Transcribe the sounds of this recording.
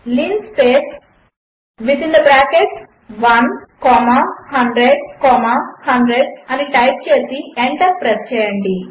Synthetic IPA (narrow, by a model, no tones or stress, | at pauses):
linspeːs | ʋid̪ind̪ɐbɾaːkeʈ | ʋɐnkɔːmahɐɳɖɾeɖkɔːmahɐɳɖɾeɖɐniʈɐjp̚t͡ʃeːsieɳʈɐpːɾest͡ʃɛːjɐɳɖi